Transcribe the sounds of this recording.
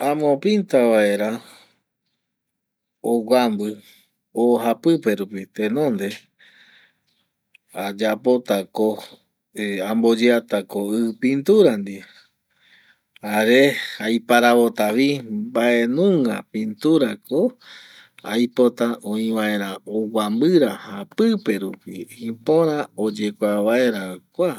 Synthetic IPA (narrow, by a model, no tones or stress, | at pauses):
ãmõpint̪aβae̞ɾa | oɡʷambɨ | oɦapɨpe̞ɾupit̪ẽnõ̞nd̪e̞ | ad͡ʒapo̞t̪ako | ambo̞d͡ʒeat̪akoɨpĩnt̪uɾand̪i | aɾeajpaɾaβo̞t̪aβibaʔe̞nũŋɡapĩnt̪uɾakʰo | a̰jpo̞t̪aʔõĩβae̞ɾãowambɨɾahapɨpe̞ɾupiĩpõɾão̞d͡ʒekʷaβae̞ɾakʷa